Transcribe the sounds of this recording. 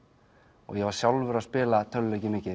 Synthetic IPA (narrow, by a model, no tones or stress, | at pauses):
ɔ̰ɣjɛvaɾ̥sjawlvʏɾaðspɪːlat̪ʰœlːɛjcɪmɪːcɪ